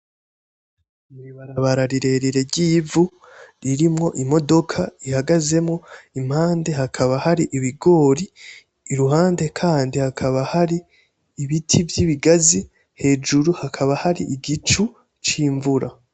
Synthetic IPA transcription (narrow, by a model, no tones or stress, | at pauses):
miβaɾaβaɾaɾiɾe̞ɾiɾe̞ɾɟiːvu | ɾiɾimŋo̞ʔimo̞do̞kʰaihaɡaze̞mŋo̞im̥haːnde̞hakʰaβahaɾiʔiβiɡo̞ːɾiː | ɾuɦaːnde̞kʰaːndihakʰaβahaɾiː | βitʰivjiːβiɡazi | he̞ːd͡ʒuɾuhakʰaβahaɾiʔiɡit͡ʃu | t͡ʃiːɱvuɾa